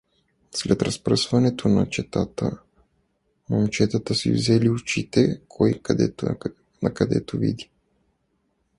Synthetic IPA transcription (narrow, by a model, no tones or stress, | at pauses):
slɛt̪ɾɐspɾəsvɐnɛt̪ʰonɐ̰t͡ʃɛt̪at̪ə̰ | momt͡ʃɛt̪at̪əsḭvzɛliʊt͡ʃit̪ɛkʰɔj̪ɛ | nɐkɐd̪ɛ̰t̪ovḭd̪i